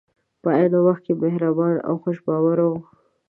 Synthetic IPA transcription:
pəajnawaxt̪̚kemehɾabɑna̰wxoʃbɑwaɾaw

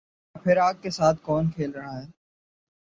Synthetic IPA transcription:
pʰɪɾaːk̚ːesaːt̪̚ʰkɔːnkʰeːlɾɐɦaɦɛː

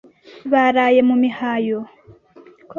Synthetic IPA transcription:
βaɾajemumihajo

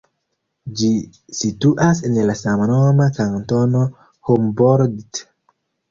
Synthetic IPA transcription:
d͡ʒi | situʔasenlasamanomakantono | homboɾdt

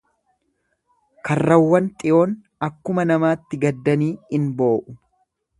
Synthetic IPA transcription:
kɐrːɐwːɐnt̪ʼɪʔo̞ːn | ɐkːʊmɐnɐmaːt̪ːɪɡɐd̪ːɐniːɪnbo̞ːʔʊ̥

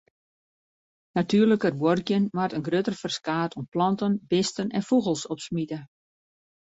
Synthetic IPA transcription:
natyːərləkətborkjənmatənɡrøtərfərskaːtʰɔmplɑntənbɪstənɛnfuɣəlˠsɔpsmitə

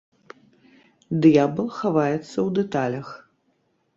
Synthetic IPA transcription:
d̪ɨjabɨlˠxavajɛt̪sːɐwd̪ɛt̪alʲɐx

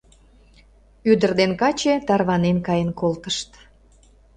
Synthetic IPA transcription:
yd̪ərd̪enkɑt͡ɕet̪ɑrβɑnenkɑjənkolt̪əʃt̪

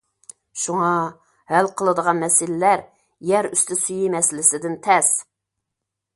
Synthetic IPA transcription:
ʃuŋɑ | hælqʰəlˠəd̪əʁɑnmɛsɪlɪlæɾ | jɛɾyst̪ʰɪsyjimɛsɪlɪsɪd̪ɪnt̪ʰɛs

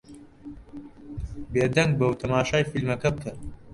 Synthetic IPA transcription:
beːd̪ɐŋɡ̚bɐwt̪ʰɐmaːʃaːjfilmɐkɐb̚kʰɨɾ

